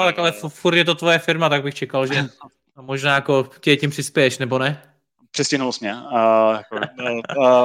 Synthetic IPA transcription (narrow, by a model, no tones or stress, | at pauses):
ot̪akalɛffuɾt̪jɛt̪ot̪vojɛfɪɾmat̪aɡ̚bɪxt͡ʃɛkalʒɛ | moʒnaːjakocɛɛcimpr̥ɪspɛjɛʃnɛbonɛ | pr̥ɛscɪnulsmɲɛjako